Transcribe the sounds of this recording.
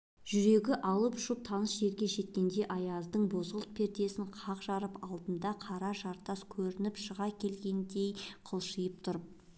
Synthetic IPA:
ʒ̥ʏɾe̞ɡʲɪʔɑlˠəpʊ̥ʃəp̚t̪ʰɑnəsʒe̞ɾɡʲe̞ʒe̞t̪̚kʲe̞nd̪e̞ʔɑjɑzd̪əɴbo̞zʁəlˠt̪̚pʰe̞ɾt̪e̞sɪɴqʰɑqʒɑɾəpɑlˠd̪ənd̪ɑqʰɑɾɑʒɑɾt̪ɑskʲʰɵɾɪnɪpʃəʁɑkʲʰe̞lɡʲe̞nd̪e̞jqʰəlˠʃəjəp̚t̪ʰʊɾp̚

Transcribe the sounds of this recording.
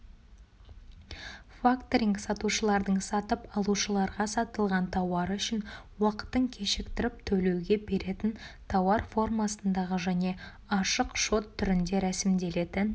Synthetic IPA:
fakt̪oɾʲiŋksɑt̪uʃəlˠɑɾd̪əɴsɑt̪əpɑlˠuʃəlˠɑɾʁɑsɑt̪əlˠʁɑnt̪ʰɑwɑɾʏʃɪn | wɑqə̥t̪ːəɴkʲʰe̞ʃɪkt̪ɪɾɪp̚t̪ʰɵle̞wɡʲe̞be̞ɾʔe̞t̪ɪnt̪ʰɑwɑɾfo̞rmɑsənd̪ɑʁəʒæne̞ | ɑʃəqʃo̞t̪ʰːʏɾɪnd̪e̞ɾæsɪmd̪e̞le̞d̪ɪn

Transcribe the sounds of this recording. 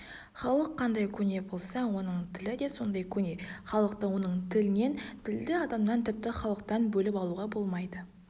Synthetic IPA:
χɑlˠəqʰːɑnd̪ɑjkʲʰɵne̞bo̞lˠsɑwo̞nəɴt̪ʰɪlɪd̪e̞so̞nd̪ɑjkʲʰɵne̞χɑlˠəqt̪əwo̞nəɴt̪ʰɪlɪne̞nt̪ʰɪld̪ɪɑd̪ɑmd̪ɑnt̪ʰɪp̚t̪ɪχɑlˠəq̚t̪ɑnbɵlɪpɑlˠuʁɑbo̞lˠmɑjd̪ə

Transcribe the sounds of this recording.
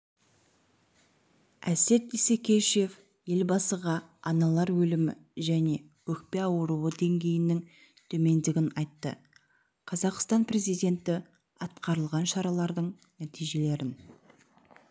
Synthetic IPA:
æ̰se̞t̪isekʲe̞ʃje̞f | je̞lbɑsəʁɑɑnɑlˠɑɾwɵlɪmɪ̰ʒæne̞ | wɵk̚pe̞ɑwəɾuwəd̪e̞ŋɡʲe̞jɪnɪŋ | t̪ʰɵme̞nd̪ɪɡʲɪnɑjt̪ːə̰ | qʰɑzɑqst̪ɑnpɾe̞zijd̪ʲe̞nt̪ɪ | ɑt̪̚qɑɾəlˠʁɑnʃɑɾɑlˠɑɾd̪əɴ | næt̪ijʒe̞le̞ɾɪn

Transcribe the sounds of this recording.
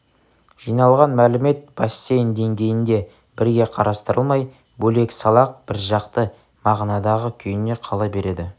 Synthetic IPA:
ʒ̥ijnɑlˠʁɑnmælɪme̞t̪̚b̥ɑsːejnd̪e̞ŋɡʲe̞jɪnd̪e̞ | bɪɾɡʲe̞qʰɑɾɑst̪əɾəlˠmɑj | bɵle̞ksɑlˠɑq̚b̥ɪɾʒɑqt̪ə | mɑʁnɑd̪ɑʁəkʲʰʏjɪne̞qʰɑlˠɑbe̞ɾe̞d̪ɪ

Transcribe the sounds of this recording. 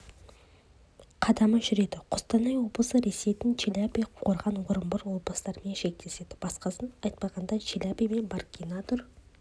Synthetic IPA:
qʰɑd̪ɑməʒʏɾe̞d̪ɪqʰʊ̥st̪ɑnɑjwo̞blˠəsəɾe̞se̞jt̪ɪnt͡ʃʰelʲapijqʰo̞ɾʁɑnwʊɾəmbəɾwoblˠəst̪ɑɾmenʃe̞k̚t̪e̞se̞d̪ɪ̥b̥ɑsqɑsənɑjt̪̚pɑʁɑnd̪ɑt͡ʃʰelʲapijmenbarkʲinɑt̪ʰʊɾ

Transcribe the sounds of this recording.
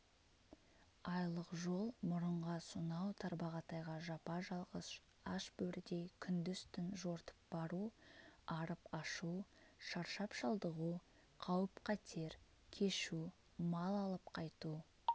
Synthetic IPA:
ɑjlˠəqʒo̞lˠmʊɾəɴʁɑsʊnɑwt̪ʰɑɾbɑʁɑt̪ɑjʁɑʒɑpɑʒɑlˠʁəs | ɑʃbɵɾɪd̪e̞jkʲʰʏnd̪ʏst̪ɪnʒoɾt̪ə̥p̚bɑɾuɑɾəpɑʃuʃɑɾʃɑpʃɑlˠd̪əʁu | qʰɑwəpqʰɑt̪ʰe̞ɾ | kʲʰe̞ʃu | mɑlˠɑlˠəpqʰɑjt̪u

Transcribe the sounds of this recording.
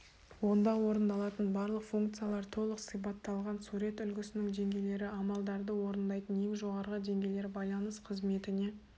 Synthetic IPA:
wo̞nd̪ɑwo̞ɾənd̪ɑlˠɑt̪ənbɑɾlˠəqfuŋk̚t̪sɨjalˠɑɾt̪ʰo̞lˠəqsijp̬ɑt̪ːɑlˠʁɑnsuɾe̞t̪ʏlɡʲɪsɪnɪŋd̪e̞ŋɡʲe̞jle̞ɾɪɑmɑlˠd̪ɑɾd̪əwo̞ɾənd̪ɑjt̪ənje̞ŋʒo̞ʁɑɾʁəd̪e̞ŋɡʲejle̞ɾbɑjlˠɑnəsqʰəzme̞t̪ɪne̞

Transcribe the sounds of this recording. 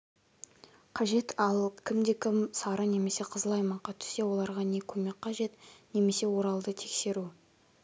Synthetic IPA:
qʰɑʒe̞t̪ʰɑlˠkʲʰɪmd̪e̞kʲʰɪmsɑɾəne̞me̞se̞qʰəzlˠɑjmɑɴqɑt̪ʰʏ̥sːe̞wo̞lˠɑɾʁɑne̞kʲʰɵme̞k̚ʲqɑʒe̞t̪ne̞me̞se̞wo̞ɾɑlˠd̪ət̪ʰe̞kse̞ɾu

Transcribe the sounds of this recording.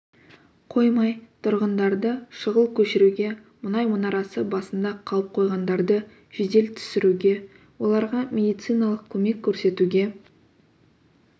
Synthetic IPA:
qʰo̞jmɑjt̪ʰʊɾʁənd̪ɑɾd̪əʃəʁəlˠkʲʰɵʃɪɾuɡʲe̞ | mʊnɑjmʊnɑɾɑsəbɑsənd̪ɑqʰɑlˠəp̚qʰo̞jʁɑnd̪ɑɾd̪ə | ʒ̥ed̪e̞lt̪ʰʏ̥sɪɾuɡʲe̞ | wo̞lˠɑɾʁɑmʲe̞d̪ijt̪sɨjnɑlˠəqkʲʰɵme̞kʲʰːɵɾse̞t̪uɡʲe̞

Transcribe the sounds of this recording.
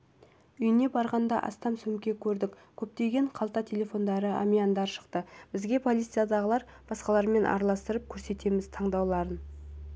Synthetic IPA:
ʏjɪne̞bɑɾʁɑnd̪ɑʔɑ̰st̪ɑmsɵmkʲe̞kʲʰɵɾd̪ɪkʲ | kʲʰɵp̚t̪e̞ɡʲe̞ɴqʰɑlˠt̪ɑt̪ʲʰe̞lʲe̞fo̞nd̪ɑɾəa̰mijand̪ɑɾʃə̥qt̪əb̥ɪzɡʲe̞pʰo̞lʲˠit̪sijad̪ɑʁəlˠɑɾ | b̥ɑsqɑlˠɑɾme̞nʔɑ̰ɾlˠɑst̪əɾəp̚kʲʰɵɾse̞t̪e̞mɪzt̪ʰɑɴd̪ɑwlˠɑɾən

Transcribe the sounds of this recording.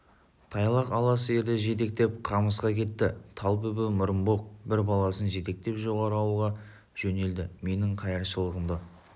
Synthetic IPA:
t̪ʰɑjlˠɑqɑlˠɑsəe̞ɾd̪ɪʒe̞t̪̬e̞k̚t̪e̞p̚qʰɑməsqɑkʲʰe̞t̪ːɪt̪ʰɑlˠpɵbɪmʊɾənboq̚bɪɾbɑlˠɑsənʒe̞t̪e̞k̚t̪e̞pʒo̞ʁɑɾəɑwulˠʁɑ | ʒ̥ɵne̞ld̪ɪme̞nɪɴqʰɑjɑɾʃəlˠəʁəmd̪ə

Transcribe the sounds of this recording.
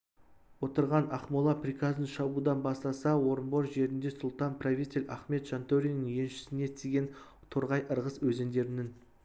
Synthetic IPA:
wot̪əɾʁɑnɑqmolˠɑprikɑzənʃɑbud̪ɑnbɑst̪ɑsɑwo̞ɾəmboɾʒe̞ɾɪnd̪e̞sʊlˠt̪ɑnpʰravʲijt̪ʲe̞lʲæχme̞t̪ʒ̥ɑnt̪oɾʲijnəŋje̞nʃɪ̥sɪne̞t̪ʰeɡʲe̞n | t̪ʰoɾʁɑjʔəɾʁəswɵzend̪e̞ɾɪnɪŋ

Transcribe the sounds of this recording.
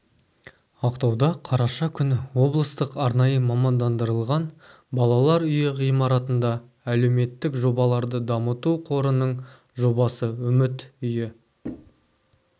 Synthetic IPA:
ɑqt̪ɑwd̪ɑqʰɑɾɑʃɑkʲʰʏnwo̞blˠəst̪əqɑɾnɑjəmɑmɑnd̪ɑnd̪əɾəlˠʁɑn | bɑlˠɑlˠɑɾʏjɪʁijmɑɾɑt̪ənd̪ɑ | æle̞wme̞t̪ːɪkʒo̞bɑlˠɑɾd̪əd̪ɑmət̪uqʰo̞ɾənəɴ | ʒo̞bɑsəʏmɪt̪ʏjɪ

